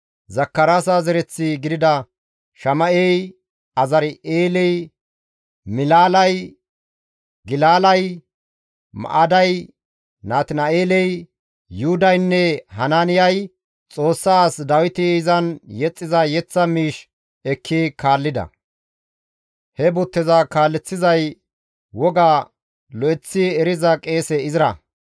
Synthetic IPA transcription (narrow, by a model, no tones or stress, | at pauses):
zɐkːɐɾaːsazɛɾɛt͡sːɪɡɪd̪ɪd̪ɐ | ʃɐmɐʔɛj | ɐzɐɾɪʔeːlɛj | mɪlaːlɐj | ɡɪlaːlɐj | mɐ̰ʔad̪ɐj | naːt̪nɐʔeːlɛj | juʊd̪ɐjnːɛhɐnaːnɪjɐj | t͡sʼo̞ːsːaːsd̪ɐwɪt̪ɪɪzɐnjɛt͡sʼːɪzɐjɛt͡sːɐmiːʃ | ɛkʰːikʰaːlːɪd̪ɐ̰ | hɛbʊt̪ːɪzɐkaːlːɛt͡sːɪzɐj | wɔɡa | lɔʔɛt͡sːɪɛɾɪzɐkʼe̞ːsɛɪzɪɾɐ̰